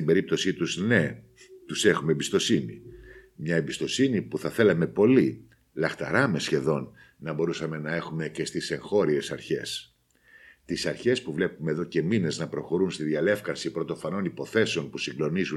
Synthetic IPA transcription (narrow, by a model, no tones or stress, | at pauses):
ibe̞ɾip̚t̪o̞sit̪uzne̞ | t̪use̞xumembist̪o̞sinḭ | mɲɐebist̪o̞sinipuθɐθe̞lɐme̞po̞li | lɐxt̪ɐ̰ɾɐme̞sçe̞ðo̞nː | ɐbo̞ɾusɐme̞nɐe̞xume̞ce̞st̪ise̞ŋxo̞ɾie̞sɐɾçe̞̰s | t̪isɐɾçe̞spuvle̞pume̞ːðo̞ce̞mine̞znɐpɾo̞xo̞ɾunst̪iðiɐle̞fkɐsipɾo̞t̪o̞fɐno̞nipo̞θe̞seo̞npusiŋɡlo̞nizu